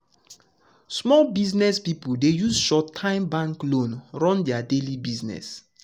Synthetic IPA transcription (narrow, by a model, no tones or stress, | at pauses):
smɔlbiznɛspipuldejuzʃɔtʰːãɪ̃mbãŋklõnɹɔ̃ndɛadelibiznɛ̰s